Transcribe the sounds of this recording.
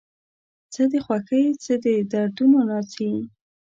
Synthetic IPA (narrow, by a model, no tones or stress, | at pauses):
t͡səd̪exwaxəjt͡səd̪ed̪aɾd̪unonɑt͡si